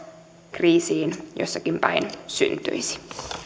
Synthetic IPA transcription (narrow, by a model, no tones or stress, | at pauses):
kriːsiːnjo̰sːɑkimpæ̰insy̰nt̪y̰isi̥